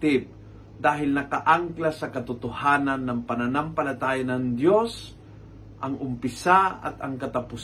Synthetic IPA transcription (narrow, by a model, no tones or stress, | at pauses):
t̪ɪp̚ | d̪aːɦɪlnɐkɐʔaŋklasɐkɐt̪ʊt̪ohaːnɐnːɐŋpɐnɐnampɐlɐt̪aːjanɐŋd̪jos | ʔɐŋʔʊmpɪsaɐ̰t̪ɐŋkɐt̪ɐpʊs